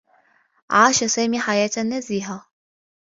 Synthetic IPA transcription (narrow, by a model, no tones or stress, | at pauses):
ʕaːʃasaːmiːħajaːt̪ʔanːaziːħa